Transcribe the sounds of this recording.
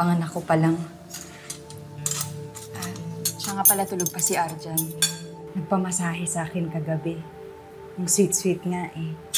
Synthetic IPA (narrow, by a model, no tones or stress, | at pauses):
pɐŋɐnɐkːopɐlaŋ | ʔaʃaŋapɐlat̪ʊloɡ̚pɐsiʔaɾd͡ʒɐn | nɐɡ̚pɐmɐsaːɦɛsɐʔaːkɪnkɐɡɐbɛ | jʊŋswit̪sfit̪̚ŋaʔɛ